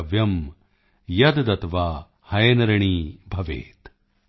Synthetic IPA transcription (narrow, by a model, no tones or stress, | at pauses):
ʋjɐm | jɐd̪d̪ɐt̪ʋaː | hɐjɐnɐɾɐɳiːbʱɐʋḛːt̪